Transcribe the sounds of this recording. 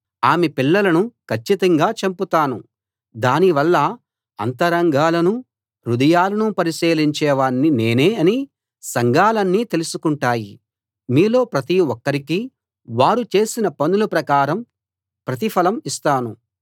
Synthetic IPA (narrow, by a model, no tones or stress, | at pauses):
aːmepilːɐlɐnukʰɐt͡ʃːit̪ɐŋɡaːt͡ʃɐmput̪aːnu | d̪aːniʋɐlːɐ | ɐnt̪ɐɾɐŋɡʱaːlɐnu | ɾud̪ɐjaːlɐnupɐɾiseːliɲt͡ʃɛːʋaːnːine̞ːneːɐni | sɐŋɡʱaːlɐnːiːt̪e̞lusukuɳʈaːji | miːlo̞ːpɾɐt̪iɔkːɐɾiki | ʋaːɾut͡ʃe̞ːsinɐpɐnulɐpɾɐkaːɾɐm | pɾɐt̪̬ipʰɐlɐmist̪aːnu